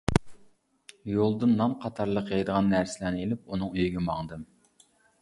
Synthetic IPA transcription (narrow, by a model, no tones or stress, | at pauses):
jolˠd̪ɨnːɑmqʰɑt̪ʰɑɾlˠəqjɑjd̪əʁɑnːæɾsɪlænɪelɪp̚unɨŋøjiɡʲɛmɑŋd̪ɨm